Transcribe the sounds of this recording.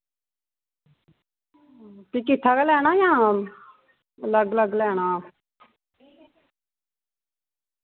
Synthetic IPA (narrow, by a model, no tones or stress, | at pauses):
t̪iːkɪt̪ʰːaːkaːlɛːɽ̃aːjãː | ələɡələɡlɛːɽ̃aː